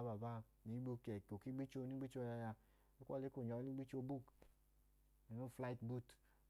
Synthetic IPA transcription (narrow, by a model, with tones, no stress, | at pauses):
a˨˦ba˨ba˦˨ | ni˨˦ɡ͡bu˧kɛ˨ko˨ki˦ɡ͡bi˦t͡ʃo˧˦ni˦ɡ͡bi˦t͡ʃo˧˦ja˧ja˧ | e˦kʷɔ̰˦le˦ko˦˨ɲɔ˨˦ni˦ɡ͡bi˦t͡ʃo˧bu˦˨k | i˨no˦˨fla˧i˨˦tbu˦˨t